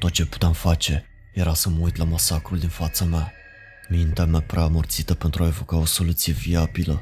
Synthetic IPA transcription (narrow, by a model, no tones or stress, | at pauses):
t̪o̞t̪̚t͡ʃepu̥t̪eamfat͡ʃe̞ | jeɾasəməujt̪lamasakɾuld̪infat̪sama | mint̪eamapɾeamərt̪sit̪əpe̞nt̪ɾuaevo̞kao̞so̞lut̪sije̞viabilə